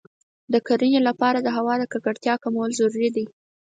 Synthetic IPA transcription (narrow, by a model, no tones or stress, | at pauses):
d̪əkaɾənelapɑɾad̪əɦawɑd̪əkakaɽt̪jɑkamawəlzaɾuɾid̪i